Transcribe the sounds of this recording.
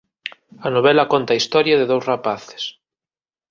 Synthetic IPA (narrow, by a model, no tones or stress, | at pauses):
ɐnoβ̞ɛlɐkont̪aist̪ɔɾjaðeðowsrapaθɪ̥s